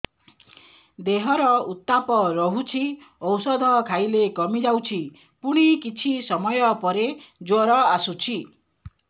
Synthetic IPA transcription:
d̪eɦɔɾɔut̪ːapɔɾɔɦut͡ʃʰi | ɔwsɔd̪ʱɔkʰajlekɔmid͡ʒawt͡ʃʰi | puɽ̃ikit͡ʃʰisɔmɔjɔpɔɾed͡ʒoɾɔasut͡ʃʰi

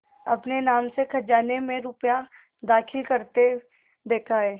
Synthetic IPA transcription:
ɐpnenaːmsekʰɐd͡ʒaːnemẽɾʊpja | d̪aːkʰɪlkɐɾt̪e | d̪eːkʰaeː

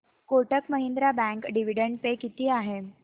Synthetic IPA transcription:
koʈəkməɦind̪ɾabæ̃ŋkɖiʋ̤iɽəɳɖ̚pekit̪iːaɦe

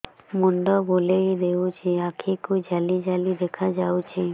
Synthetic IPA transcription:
moɳɖɔbolejd̪ewt͡ʃʰiakʰikud͡ʒalid͡ʒalid̪ekʰad͡ʒawt͡ʃʰi

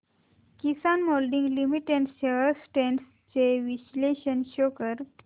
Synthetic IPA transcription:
kisanmolɖiŋɡlimiʈẽɳʈɕeəɾsʈẽɳɖs | t͡ɕeʋiɕleɕənɕokəɾ

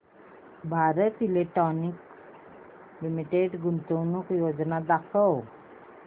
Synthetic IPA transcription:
bʱaɾət̪ileʈɔnik | limiʈeɖɡunt̪əwnukjod͡znad̪akʰəw

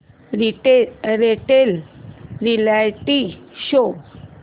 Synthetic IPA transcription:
ɾiɾeʈelɾilajʈiɕo

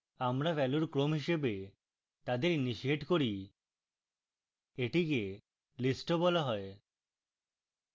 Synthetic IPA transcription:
amɾafɛluɾkɾomɦiʃebe | t̪ad̪eɾiniʃieʈkoɾi | eʈike | lisʈobɔlaɦɔe

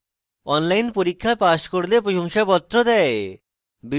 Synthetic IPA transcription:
ɔnlajnpoɾikʰːapaʃkoɾlepɾoʃomʃapɔt̪ːɾod̪ɛe | bi

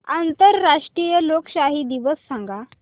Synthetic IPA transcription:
ant̪əɾːaʂʈɾijəlokɕaɦiːd̪iʋəsːaŋɡa

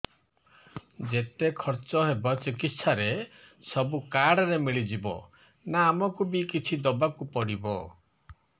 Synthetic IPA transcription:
d͡ʒet̪ekʰɔɾt͡ʃɔɦebɔt͡ʃikit̪saɾe | sɔbukaɽɔɾemiɭid͡ʒibɔ̰ | naːmɔkubikit͡ʃʰid̪ɔbakupɔɽibɔ̰

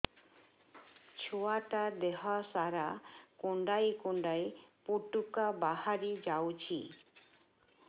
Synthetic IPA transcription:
t͡ʃʰuaʈad̪eɦasaɾakuɳɖajkuɳɖajpuʈukabahaɽid͡ʒawt͡ʃʰi

